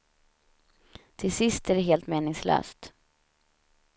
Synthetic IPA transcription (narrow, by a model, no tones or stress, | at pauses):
t̪ʰɪlsɪst̪æɖɛɦeːlt̪meːnɪŋslø̰ːst̪